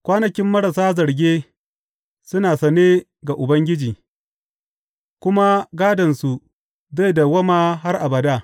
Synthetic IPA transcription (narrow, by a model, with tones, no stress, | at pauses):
kʷaː˦nɐ˨kʲɪ˦mːɐ˦ɽa˨saː˦zɐ˨ɾɡʲeː˦ | sʊ˦naː˨sɐ˨neː˦ | ɡa˨ʔʊ˨bɐ˦ŋɡʲɪ˦d͡ʒiː˨ | kʷʊ˦ma˦ɡaː˦dɐ˨nsu˨ | za˦jda˨wɐ˦maː˦ɦa˦rʔa˨bɐ˨daː˦